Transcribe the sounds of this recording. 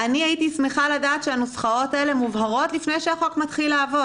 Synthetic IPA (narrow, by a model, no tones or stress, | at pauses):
aniait̪ismeχaladaːt̪ʃeanosχao̞taelemuvɦaʁo̞t̪lifnejʃeaχokmat̪χilːaːvo̞